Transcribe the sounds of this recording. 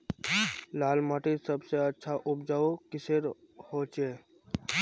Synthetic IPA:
laːlmaːʈisəbseətːʃʰaʔʊpd͡ʒaːokɪseɾ | hoːt͡ʃeː

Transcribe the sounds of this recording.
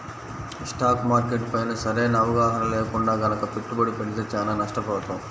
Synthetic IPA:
sʈaːkmaːɾkeʈpɐjnɐsɐɾeːnɐʋɐɡaːɦɐnɐleːkuɳɖaːɡɐnɐkɐpeʈ̪ːubɐɽipeɽit̪eːt͡ʃaːnaːnɐʂʈɐpɔːt̪ɐm

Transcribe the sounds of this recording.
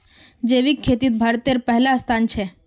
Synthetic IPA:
d͡ʒeːʋikʰːet̪iːt̪̚bʱaːɾt̪eɾpɛɦlaəst̪ʰaːnt͡ʃʰe

